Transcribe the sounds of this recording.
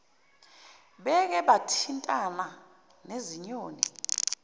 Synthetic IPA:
ɓɛk̬ɛɓatʰintʼana | neziɲoːnḭ

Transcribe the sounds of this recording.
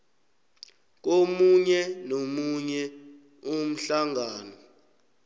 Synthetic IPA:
k̬ʼomuɲɛnomuɲɛ | um̩ɬaŋʱaːnɔ

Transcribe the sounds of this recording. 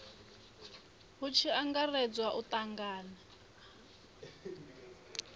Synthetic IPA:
ɦut͡ʃʰiaŋɡarɛd͡zwaʔut̪ʼaŋɡaːna

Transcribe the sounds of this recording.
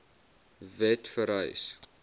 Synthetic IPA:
vɛtfəɾə̰js

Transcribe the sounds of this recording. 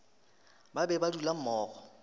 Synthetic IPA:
babɛbadulam̩mɔːɣɔ

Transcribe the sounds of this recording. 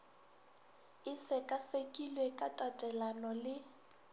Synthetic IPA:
ɪsɛkʼasekʼilwekʼatʼatʼɛlanɔlɪ

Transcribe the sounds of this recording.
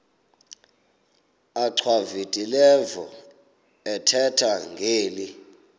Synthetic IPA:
aǀʰwavitʼilɛvɔ | ɛtʰɛtʰaŋɡʱeːli

